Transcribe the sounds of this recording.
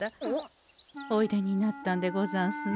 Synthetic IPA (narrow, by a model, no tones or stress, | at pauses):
oid̪e̞ɲ̟inat̪ːãnd̪e̞ɡo̞zãɰ̃sɨ